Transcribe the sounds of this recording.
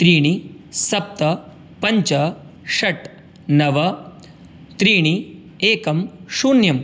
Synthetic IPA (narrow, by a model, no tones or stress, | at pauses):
t̪ɾiːɳ̃isɐp̚t̪ɐ | pɐɲt͡ʃɐʂɐʈ | nɐʋɐ | t̪ɾiːɳi | eːkɐmʃuːnjɐm